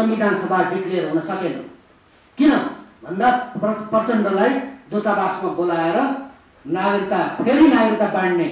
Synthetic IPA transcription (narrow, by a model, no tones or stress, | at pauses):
sʌmbid̪ʱanʌsʌbʱaɖiklerɦunʌsʌkenʌ̰ | kinʌbʱʌnd̪aʌprʌt͡sʌɳɖʌlajd̪ot̪abasmabolaeɾʌ | naɡrit̪ːapʰeɾinaɡrit̪ːabaɽne